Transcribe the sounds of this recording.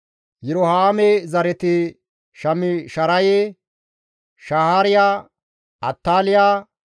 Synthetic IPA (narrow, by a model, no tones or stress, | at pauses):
jɛɾɔhaːmɛzɐɾɛt̪ɪ | ʃɐmɪʃɐɾɐje | ʃahaːɾɪjaː | ʔɐ̰t̪ːaːlɪjaː